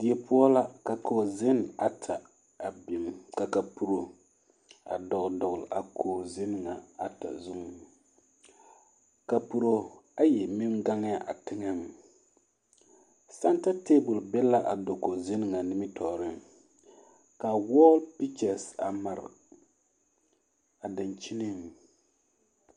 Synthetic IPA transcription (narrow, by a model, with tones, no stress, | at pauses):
d̥i˨ɛ˨pʊ˦ɔ˦la˦ka˨kʰo˨zɪ˦na˨tʰa˨ | a˨bi˨mka˨ka˨pu˨ɾo˨ | a̰˨dɔ˨ʔdɔ˨ɡʊ˨lʔa˨kʰoː˨zɪ˦nɨ˨ŋa˨a˨ta̰˨zu˦ŋ˦ | ka˨pu˨ɾo˨a˦jɛ˨mɪ˦mɡa˦ŋ˦ja˦ʔa˨tɪ˦ŋa˦ŋ˨ | sa˦nta˦te˦bʊ˨lbɛ˦la˦ʔa˨do˨ko˨zɪ˦nɨ˨ŋa˨nɪ˦mɪ˦tʰɔː˨ɾɨ˦ŋ | ka˨wɔ˦lpi˦t͡ʃa˨sa˨ma˨ɾ̰ | a˨dɪ˨nt͡ʃi˦nɨ˦ŋ˨